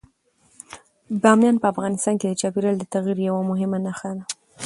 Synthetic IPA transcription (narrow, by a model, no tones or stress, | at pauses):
ɡɑmjɑnpəafɣɑnɪst̪ɑnked̪ət͡ʃɑpiɾald̪ət̪aɣiɾjawamʊɦɪmanaxad̪a